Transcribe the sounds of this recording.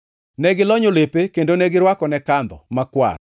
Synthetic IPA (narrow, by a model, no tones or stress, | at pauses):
nɛɡɪlɔɲolepekendonɛɡɪɾwakɔnɛkand̪ɔmakwa̰ɾ